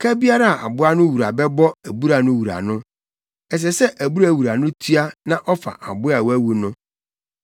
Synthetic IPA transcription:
kʰɛ˦bi˦a˦ɾa˦a˨ʔa̰˨bʊ˦a˦nʊ̃˦wu˨ɾa˨bɛ˦bɔ˦æ˨bu˦ɾa˨nʊ̃˦wu˨ɾa̰˨nʊ̃˦ | ɛ˨s̬ɛ˨sɛ˦ʔæ˨bu˦ɾæ˨wu˨ɾa˨nʊ̃˦tʰi˦a˦nã˦ʔɔ˦fa̰˨ʔa̰˨bʊ˦a˨wæ˦wu˨nʊ̃˦

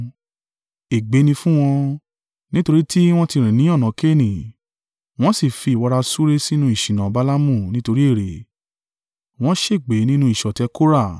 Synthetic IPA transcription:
e˨ɡ͡be˨˦nĩ˧fũ˦w̃ɔ̃˧ | nĩ˦to˧ɾi˦tʰi˦w̃ɔ̃˦ti˧ɾ̃ĩ˨nĩ˨˦ɔ̃˦˨nɔ̃˨˦ke˦˨nĩ˨ | w̃ɔ̃˦si˦˨fi˨˧˨wɔ˧ɾa˧su˦ɾe˦si˦nũ˧˦i˦˨ʃĩ˨nã˨˦ba˦la˦mũ˦˨nĩ˦to˧ɾi˦e˦˨ɾe˨ | w̃ɔ̃˦ʃe˦˨ɡ͡be˨˦nĩ˦nũ˧˦i˦˨ʃɔ˨tɛ˨˦ko˦ɾa˦˨

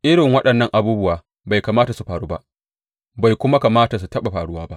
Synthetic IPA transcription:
ʔɪ˦ɽɪ˨ŋwɐ˦ɗɐ˨nːɐ˦˨ŋʔa˨buː˦bʊ˦waː˨ | ba˨jkaː˨maː˦ta˨su˨ɸaː˨ɽuː˦ba̰˦ʔ | ba˨jkʷʊ˦ma˦kaː˨maː˦ta˨s̬u˨tɐ˦ɓa˨ɸaː˨ɽʊ˦waː˦ba˦ʔ

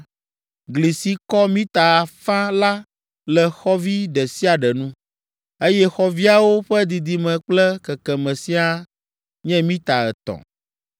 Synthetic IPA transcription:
ɡli˨si˦kɔ˦mĩ˦t̪a˨a˨fã˦la˦ | lɛ˨xɔ˦vi˦ɖɛ˨si˦a˨ɖɛ˨nũ˦ | e˦jɛ˦xɔ˦vi˦a˦wo˦ɸɛ˦d̪i˨d̪i˨mɛ̃˨k͡plɛ˦kɛ˨kɛ˨mɛ̃˨si˦a˦ | ɲɛ̃˦mĩ˦t̪a˨ɛ̰˨t̪ɔ̰˨

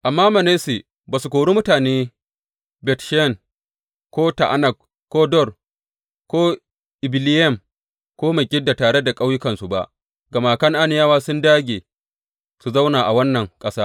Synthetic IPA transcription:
ʔa˨mːaː˦mɐ˨ne˦si˨ | baː˨su˨kʷoː˨ɽu˦mʊ˦taː˨neː˦ | bɛ˨tʃn | kʷoː˦ta̰˨ʔa˦nɐ˨k̚ | kʷoː˦dɔ˦˨r | kʷoː˦ | ʔɪ˨bɪ˨lɪ˦jɛ˦˨m | kʷoː˦me˨ɡʲɪ˦dːa˨taː˨ɽe˦da˨kʼa˦wjʊ˦kɐ˨nsu˨ba˦ʔ | ɡɐ˨maː˨kɐ˦ŋʔa˦nɪ˨jaː˦waː˦sʊ˦ndaː˦ɡʲeː˨ | su˨za˦wnaː˨ʔa˨wɐ˦nːɐ˨ŋkʼɐ˦saː˦

